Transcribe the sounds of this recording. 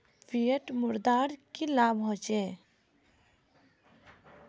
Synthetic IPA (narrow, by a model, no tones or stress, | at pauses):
pʰijəʈmʊɾd̪aːɾkilabɦõt͡ʃe